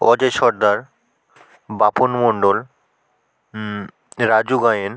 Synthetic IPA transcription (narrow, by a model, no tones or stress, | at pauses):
ɔ̰d͡ʑeʃɔɾd̪aɾ | baponmoɳɖol | ɾad͡ʑuɡajen